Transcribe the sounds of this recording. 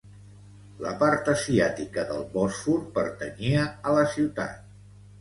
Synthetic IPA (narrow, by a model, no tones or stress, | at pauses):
ləpaɾt̪əziat̪ikəðəlˠβɔsfuɾpəɾt̪əniəələsiwt̪a̰t̪̚